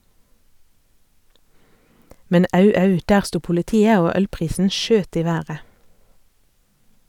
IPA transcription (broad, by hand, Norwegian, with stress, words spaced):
ˈmɛn ˈɑʉ ˈɑʉ ˈdæːʁ ˈstuː pʊləˈtiːə ˈoː ˈœlˌpʁiːsn̩ ˈʃøːt ˈiː ˈʋæːʁə